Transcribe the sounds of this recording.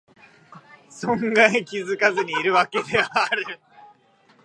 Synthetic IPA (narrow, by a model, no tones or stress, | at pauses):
sõ̞ŋɡaekʲizɨkazɨɲ̟iːɾɯ̟βake̞d̪e̞βaːɾɯ̟